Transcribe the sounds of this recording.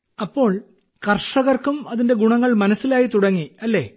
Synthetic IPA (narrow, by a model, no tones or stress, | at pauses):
ɐpːo̞ːɭ | kɐrʂɐɣɐrkumɐðinde̞ɡuɳɐŋːɐɭmɐnɐsːilaːjit̪uɽɐŋːiɐlːe̞ː